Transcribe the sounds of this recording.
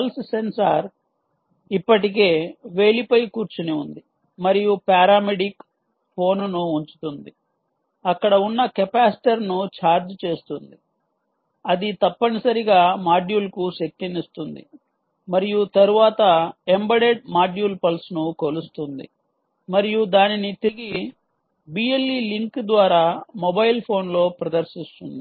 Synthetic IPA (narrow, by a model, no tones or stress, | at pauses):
pɐlssensaːɾ | ipːɐʈik̬e̞ːʋe̞ːlipɐjkuːɾt͡ʃuneund̪i | mɐɾijupaːɾaːmeɖik | pʰo̞ːnnuːɲt͡ʃu̥t̪und̪i | ɐkːɐɽɐunːɐkepaːsi̥ʈɐɾnut͡ʃaːɾd͡ʒt͡ʃe̞ːst̪und̪i | ɐd̪it̪ɐpːɐnisɐɾiɡaːmaːɖjuːlkuʃɐk̚t̪inist̪und̪ḭ | mɐɾijut̪ɐɾuʋaːt̪ɐembɐɽe̞ɖ̚maːɖjuːlpɐlsnukolust̪und̪ḭ | mɐɾijud̪aːninit̪iɡi | bijelːiliŋkd̪ʋaːɾaːmobɐjlpʰo̞ːnlo̞ːpɾɐd̪ɐɾsist̪und̪i